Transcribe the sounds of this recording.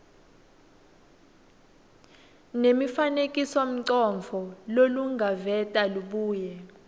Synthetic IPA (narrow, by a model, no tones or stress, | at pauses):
nemifanekʼisɔm̩ǀɔɱvʱɔloluŋɡʱavɛtʼaluɓuːjɛ